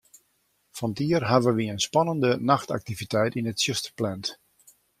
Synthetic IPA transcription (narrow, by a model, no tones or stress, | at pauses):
fɔntiərɦaʋəʋiənspɑnəndənaxta̰k̚tivitɛjtinətsjøstə̥rplɛnt